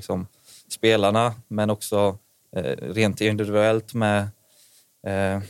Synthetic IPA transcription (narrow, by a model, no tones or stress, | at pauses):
ksɔm | speːlaɳamɛnɔksɔ̰ | ɾeːnt̪ɪnd̪ɪvvʉɛlt̪mɛ